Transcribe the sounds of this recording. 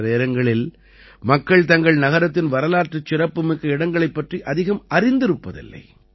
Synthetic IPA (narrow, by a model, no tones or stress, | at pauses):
ɾeːɾɐŋɡɐɭɪl | mɐkːɐɭt̪ɐŋɡɐɭnɐɣɐɾɐt̪ːɪnʋɐɾɐlaːɾʈrɯt͡ʃːɪrɐpːɯmɪkːɐɪɽɐŋɡɐɭɐɪpːɐʈriʔɐðɪɣɐmɐɾɪnd̪ɪɾɯpːɐðɪ̰lːɐ̰ɪ